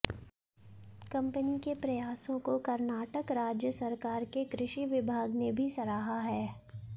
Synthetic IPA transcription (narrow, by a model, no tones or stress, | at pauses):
kɐ̃mpənikepɾɐjaːsõkokɐɾnaːʈəkɾaːd͡ʒjəsɐɾkaːɾkekɾɪʃiʋɪbʱaːɡnebʱisɐɾaːɦaɦɛː